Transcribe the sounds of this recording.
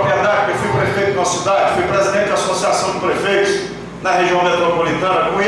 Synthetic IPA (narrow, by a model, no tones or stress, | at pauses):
kɛɾd̪ad͡ʒkewfujpɾefejt̪ʊñɐsid̪ad͡ʒɪfujpɾezid̪ẽt͡ʃɪd̪asosiasɐ̃w̃d͡ʒ̪ɪpɾefejt̪ʊs | nɐheʒiɐ̃w̃met̪ɾopolit̪ɐ̃nɐkõ